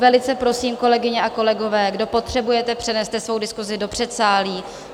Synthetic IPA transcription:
vɛlɪt͡sɛpɾo̞siːmko̞lɛɡɪɲɛʔako̞lɛɡo̞vɛːɡdo̞po̞t̪r̥ɛbujɛt̪ɛpr̥ɛnɛst̪ɛsvo̞wdɪskuzɪdo̞pr̝̥ɛt̪saːliː

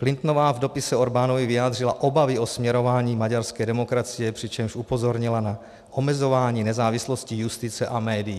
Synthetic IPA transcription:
klɪnt̪novaːvdo̞pɪsɛoɾbaːnovivɪjaːd̪r̝ɪlaʔobavɪo̞smɲɛɾo̞vaːɲiːmaɟaɾskɛːdɛmo̞kɾat͡sɪjɛpr̝̥ɪt͡ʃɛmʃupo̞zo̞ɾɲɪlana | ʔomɛzo̞vaːɲiːnɛzaːvɪslo̞scijust̪ɪt͡sɛʔamɛːdɪji

